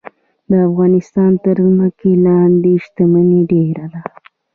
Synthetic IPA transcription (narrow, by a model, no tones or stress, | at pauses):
d̪əafɣɑnɪst̪ɑnt̪əɾzməkelɑnd̪eʃt̪amaniɖeɾad̪a